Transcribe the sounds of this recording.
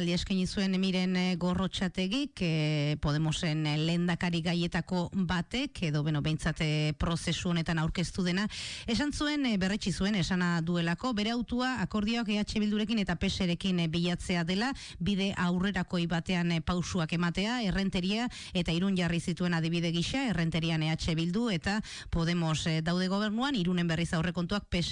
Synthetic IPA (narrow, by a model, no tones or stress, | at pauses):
ld̪iaskaɲisue̞nmiɾe̞nɡo̞ro̞t͡ʃat̪e̞ɣikpo̞ð̞e̞mo̞se̞nle̞nd̪akaɾiɣaje̞t̪ako̞bat̪e̞kʰe̞ðo̞βe̞noβe̞jnt͡sat̪pɾo̞se̞suo̞ne̞t̪anawɾke̞st̪uð̞e̞nae̞sansue̞nbe̞ret͡ʃisue̞ne̞sanaðue̞lako̞βe̞ɾe̞awt̪uaːko̞ɾð̞ioakeat͡ʃe̞βild̪uɾe̞kine̞t̪ape̞se̞ɾe̞kimbiʎat͡se̞aðe̞la | bið̞e̞ʔawre̞ɾako̞jβat̪e̞anpawsuake̞mat̪e̞ae̞re̞nt̪e̞ɾia | e̞t̪aiɾunʝarisit̪ue̞nað̞iβiðe̞ɣ̞iʃae̞re̞nt̪e̞ɾiane̞at͡ʃe̞βild̪ue̞t̪a | po̞ð̞e̞mo̞zd̪awð̞e̞ɣ̞o̞β̞e̞ɾnuaniɾune̞mbe̞risawre̞ko̞nt̪uak̚pe